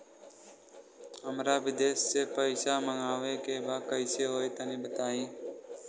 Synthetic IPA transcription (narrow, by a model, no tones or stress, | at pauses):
əmɾaːʋɪd̪eːsːeːpəɪsaːməŋaːʋeːkeːbaːkəiseːɦoːeːt̪aːnĩːbət̪aːĩː